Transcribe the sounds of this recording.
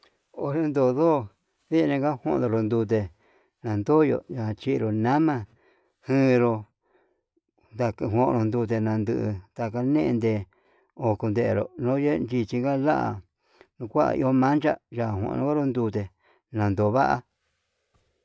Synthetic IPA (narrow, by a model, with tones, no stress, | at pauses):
o˧ɾe˦nd̪o˧˨ðoː˦˨ | βi˦˧nẽ˧ɡa˦hõ˦ʔ̪d̪o˧ɾo˧nd̪u˧t̪̬e˧ | nã˨nd̪o˦jo̰˧˨ɲã˨˧t͡ʃi˧ʔɾo˨nã˦mã˧ | hɨ̃ː˦˧ɾo˧ | nd̪a˧kɦõ˧ʔɾõ˧nd̪u˧t̪̬e˧nã˧nd̪ɨ˧ʔt̪a˧ka˧nẽ˦ʔḛ̃˧nd̪e˧ | o˧˨ku˧nd̪e˧e˨ɾo̰˨nõ˦je˦˧nd͡ʒi˧t͡ʃi˧ŋɡa˦la˦ʔa̰˨ | nũ˧kʷa˦a̰˧ʔḭ˧o˦mã˦nt͡ʃa˦ʒa˧˨hʷõ̰˧˨˧õ˦a˦ɾo˧nd̪u˧t̪e˧ | nã˨nd̪o˨βa˦ʔa̰˧